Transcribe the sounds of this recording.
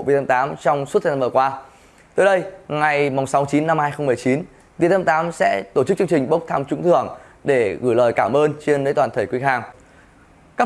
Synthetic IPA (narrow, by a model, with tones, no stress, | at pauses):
vi˨˩t̪ə˧mt̪aː˨˦mt͡ɕɔ˧wŋ͡msu˦˥t̪̚ʰːə˧na˧mvəː˨˩kwaː˧ | t̪oː˨˧˩jɗə˧jŋa˨˩jmʊ˨˩ŋ͡msa˨˦t͡ɕi˨˦nːa˧mhaː˧jxə˧wŋ͡mmɨ˨˩əjt͡ɕi˨˦n | vi˨˩ət̪ə˧mt̪aː˨˦msɛ̰˧˥t̪o˧˩t͡ɕɨ˦˥k̚t͡ɕɨ˧ə˧ŋt͡ɕï˨˩ŋ̟ɓə˦˥wk͡p̚t̪ʰaː˧mt͡ɕʊ˧˦ŋ͡mt̪ʰɨ˧˩əŋ | ɗe˧˩ɣɨ̰˧˩jləː˨˩jkaː˧˩mʔəː˧nt͡ɕe˧nːəː˨˦jt̪waː˨˩nt̪ʰə˨˧˩jkwi˨˦ɦaː˨˩ŋ | kaː˦˥